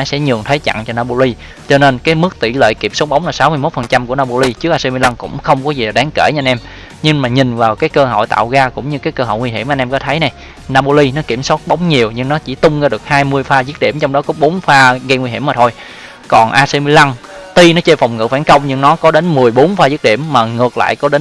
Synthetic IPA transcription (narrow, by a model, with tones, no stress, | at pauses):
ɔ˨˦sɛ̰˧˥ɲɨ˨˩əŋt̪ʰe˨˦jt͡ɕa̰˧˨ŋt͡ɕɔ˧naː˧po˧li˧ | t͡ɕɔ˧ne˧nkaː˨˦jmɨ˦˥k̚t̪ḭ˧˩lḛ˧˨jki˨˩p̚so˦˥k͡p̚ɓə˨˦ŋ͡mnlaː˨˩saː˨˦wmɨ˧jmo˦˥t̚fə˨˩nt͡ɕa˧mku˧˩ənaː˧po˧li˧t͡ɕɨ˦˥ək̚ʔaː˧se˧mɨ˧la˧ŋkʊ̰˧˥ŋ͡mxə˧wŋ͡mkɔ˨˦zi˨˩ɗaː˨˦ŋke˧˩ɲɨ˧nʔɛ˧m | ɲɨ˧ŋmaː˨˩ɲï˨˩ŋ̟vaː˨˩wkaː˨˦jkəː˧ɦo̰˧˨jt̪a̰ː˧˨wɣaː˧kʊ̰˧˥ŋ͡mɲɨ˧kaː˨˦jkə˧ɦo̰˧˨jŋwi˧ɦi˧˩əmʔn̟ʔɛ˧mkɔ˨˦t̪ʰə˨˦jna˨˩j | naː˧po˧li˧nɔ˨˦ki˧˩əmswɔ˦˥t̚ɓə˨˦wŋ͡mɲi˨˩əwɲɨ˧ŋnɔ˨˦t͡ɕḭ˧˩t̪ʊ˧ŋ͡mzaː˧ɗɨ˨˩ək̚haː˧jmɨ˧əjfaː˧zɨ˦˥k̚ɗḭ˧˩əmt͡ɕɔ˧wŋ͡mɗɔ˨˦kɔ˨˦ɓo˨˦nfaː˧ɣə˧ŋwi˧ɦhi˧˩əmaː˨˩t̪ʰo˧j | kɔ˨˩nʔaː˧se˧mi˧la˧ŋ | t̪i˧nɔ˨˦t͡ɕe˧fwŋ͡mŋɨ̰˧˩faː˧˩nkə˧wŋ͡mɲɨ˧ŋnɔ˨˦kɔ˨˦ɗe˨˦nmɨ˨˩əjɓo˨˦nfaː˧zɨ˦˥k̚ɗḭ˧˩əmːaː˨˩ŋɨ˨˩ək̚la̰ː˧˨jkɔ˨˦ɗe˨˦n